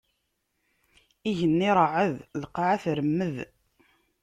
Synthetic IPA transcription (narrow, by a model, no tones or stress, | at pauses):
iʝənːiɾˤəʕəðləqːɑʕæθɾəmːəð